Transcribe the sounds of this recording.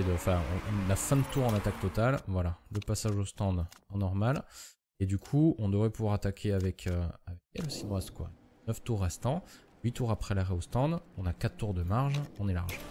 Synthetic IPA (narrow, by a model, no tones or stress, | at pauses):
ed̪əɑ̃fɛ̃ɔ̰̃ɔ̃nafɛ̃d̪ət̪uʁɑ̃nat̪ak̚t̪ɔt̪alvwalaləpasaʒost̪ɑ̃d̪ɑ̃nɔʁmal | ed̪ykʰuɔ̃d̪əvʁɛpuvwaʁat̪akʲʰeavɛkʰøavɛk̚ɛlosinɔ̃ʁɛst̪kwa̰ | nəft̪uʁːɛst̪ɑ̃ | ɥit̪uʁapχɛlaʁɛost̪ɑ̃d̪ɔ̃nakat̪t̪uʁd̪əmaʁʒɔ̃nɛlaʁʒ